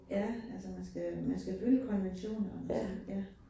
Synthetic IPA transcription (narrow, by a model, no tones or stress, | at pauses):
jæælsəmænsɡ̥æmænsɡ̥æfyləkʰɒ̽nʋenɕo̝̰ːnɐɒmænsejæ